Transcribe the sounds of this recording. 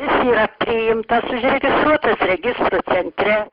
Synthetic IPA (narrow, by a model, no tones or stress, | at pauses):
ɪsiːɾɐpʲɾʲɪjɪmt̪ɐsʊʃʲɾʲɛɡʲɪst̪ɾuɔt̪ɐsɾʲɛɡʲɪst̪rusʲɛnʲt̪ʲɾʲɛ